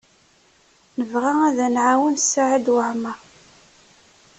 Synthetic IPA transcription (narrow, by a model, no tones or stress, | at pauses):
nəvʁaæðænʕawənsːaʕəd̪wəħmə